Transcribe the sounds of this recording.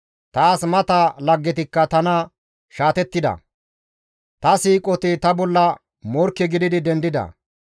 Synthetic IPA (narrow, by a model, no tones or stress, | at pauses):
t̪aːsmɐt̪ɐlɐɡːɛt̪̬ɪkːɐt̪ɐnɐ | ʃaːt̪ɛt̪ːɪd̪ɐ̰ | t̪ɐsiːkʼɔt̪ɪt̪ɐbɔlːɐ | mɔɾkːɛɡɪd̪ɪd̪ɪd̪ɛnd̪ɪd̪ɐ̰